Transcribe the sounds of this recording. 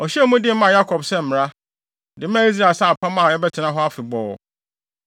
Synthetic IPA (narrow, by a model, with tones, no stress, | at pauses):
ɔ˨ɕi˦ɛ˦mũ˦dɪ˦m̩˦mã˦˨ja˦kʰɔ˨bsɛ˦m̩˨mɪ̃˨ɾa˦ | dɪ˨˦m˦ã˦˨i˦s̬ɾa˨sa˦˨a˨pʰã˦mã˦˨ɛ˦bɛ˦tʰɪ˨nã˦ɦɔ˦a˦fɪ˨bɔː˨